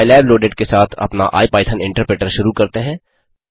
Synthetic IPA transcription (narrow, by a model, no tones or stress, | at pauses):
ɪlɛːbloːɖeɖkesaːt̪ʰɐ̰pna̰ʔa̰ːipaːɪʈ̪ʰənɪ̃ɳʈəɾpɾeːʈəɾʃʊɾukɐɾt̪eɦɛ̃ː